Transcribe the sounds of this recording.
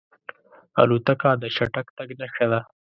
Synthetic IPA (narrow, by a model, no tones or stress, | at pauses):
a̰lut̪akad̪əʃaʈakt̪aɡnaʃad̪a